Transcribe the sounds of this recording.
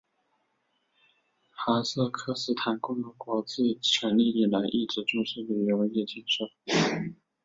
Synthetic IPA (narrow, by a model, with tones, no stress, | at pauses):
xa˧˥sɤ˥˧kʰɤ˥˧sɹ̩˥˩t̪ʰa˧˥nkʊ˥˧ŋlə˧˩kwɔ˧˥t͡se˥˩ɪt͡ɕʰɥɛ˧˥nli˥˩i˥˩la˧˥ɪʔi˥˩ʈ͡ʂɻ̩˧˥ʈ͡ʂʊ˥˧ŋʂ̩˥˩li˨˩ɥɛ˧˥we˧˥ɪjɛ˥˧˩t͡ɕɛ˥˩nʂɤ˥˩ʊ